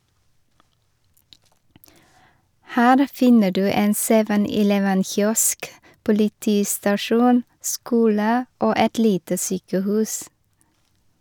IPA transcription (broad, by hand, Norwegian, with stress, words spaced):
ˈhæːɾ ˈfɪnə ˈɖʉː ˈeːn ˈseːʋən ɪˈlɛʋən ˈçjɔsk pʊlɪˈtiːstɑˌʃuːn ˈskuːlə ˈoː ˈɛt ˈliːtə ˈsyːkəˌhʉːs